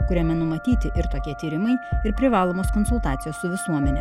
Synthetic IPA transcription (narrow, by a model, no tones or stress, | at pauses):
kʊɾʲɛmʲɛnʊmɐt̪ʲiːt̪ʲɪʔɪɾt̪oːkʲiɛt̪ʲiːɾʲɪmɐɪɪɾpʲɾʲɪʋɑːlˠoːmoːskoːnsʊlˠt̪ɑːt̪sʲɪjoːssʊʋʲɪsuɔmʲɛnʲɛ